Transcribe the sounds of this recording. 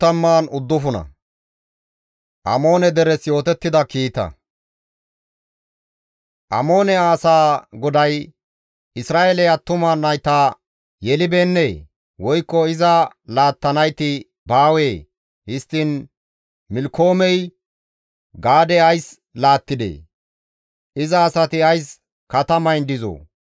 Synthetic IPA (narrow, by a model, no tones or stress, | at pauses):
t̪ːɐmːaːnʊd̪ːʊfʊnɐ̰ | ʔɐ̰mo̞ːnɛd̪ɛɾɛsjo̞ːt̪ɛt̪ːɪd̪ɐkiːt̪ɐ̰ | ʔɐmo̞ːnɛaːsaːɡɔd̪ɐj | ɪsɾaːʔelɛɐt̪ːʊmaːnːɐjt̪aː | jɛlɪbeːnːe | wɔjkːɔɪzɐ | laːt̪ːɐnɐjt̪ɪ | baːweː | hɪst̪ːɪn | mɪlkʰo̞ːmɛj | ɡaːd̪ɛɐjs | laːt̪ːɪd̪ḛː | ʔɪzɐːsɐt̪ɪɐjs | kɐt̪ɐmɐjnd̪ɪzo̰ː